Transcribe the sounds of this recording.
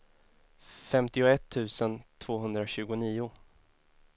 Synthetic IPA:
fɛmt̪ɪʊɛt̪ʰːʉ̟ːsənt̪ʰv̥oːɦɵnd̪ɾaɕʉ̟ːɡʊniːʊ

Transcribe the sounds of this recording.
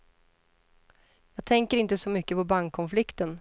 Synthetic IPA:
jɑːɡ̚t̪ʰɛŋkəɾɪnt̪əsɔmʏkːəpʰɔbaŋkʰːɔnflɪkt̪ən

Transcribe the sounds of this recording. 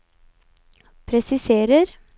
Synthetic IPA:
pʰɾɛsɪseːɾəɾ

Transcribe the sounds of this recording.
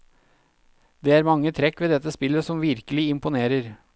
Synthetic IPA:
d̪̥eːæːɾmɑŋːət̪ʰɾɛkːʋeːd̪ɛt̪ːəspɪlːəsɔmʋɪɾkəlɪɪmpʊneːɾəɾ

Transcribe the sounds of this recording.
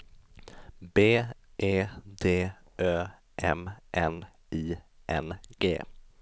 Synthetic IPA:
beːʔeːd̪eː | øː | ʔɛ̰mʔɛn | iːʔɛ̰nɡ̥ḛː

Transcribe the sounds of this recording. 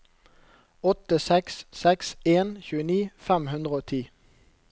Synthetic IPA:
ɔt̪əsɛkssɛkseːnçʉːəniːfæmhʉnd̪ʁəoːt̪ʰiː

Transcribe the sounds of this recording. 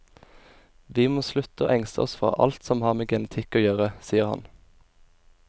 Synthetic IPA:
ʋiːmoːslʉt̪əo̰ːʔɛŋst̪əɔsfʁɑ̰ːʔɑ̰lt̪sɔmhɑːʁmeːɡɛnət̪ʰɪkoːjøːʁəsiːəʁhɑ̰n

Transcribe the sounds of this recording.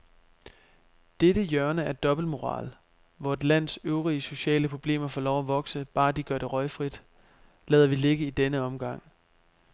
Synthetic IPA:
d̥eɾəjœɐnəæɐd̥ɒ̽b̥l̩mo̝ʁɑ̰̈ːl | ʋɒed̥læn̰søʊʁiəso̝ɕɛ̰ːləpʰʁo̝b̥le̝̰ːmɐfɒːlɒʊæʋɒ̽ɡ̥səb̥ɑ̈ːd̥iɡ̥ɶɐɾ̥e̝ʁɒ̽ɪfʁid̥ | lɛːðˠɐʋile̝ɡ̥əid̥enəɒ̽mɡ̥ɑ̈ŋ̰

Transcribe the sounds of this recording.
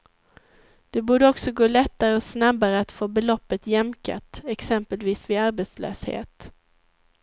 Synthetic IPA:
d̪̥ɛbuːɖəɔksɔɡoːlɛt̪ːaɾəɔsnabaɾəat̪foːbɛlɔpːət̪jɛmka̰t̪ɛksɛmpəlviːsvɪaɾbeːt̪slø̰ːshḛːt̪

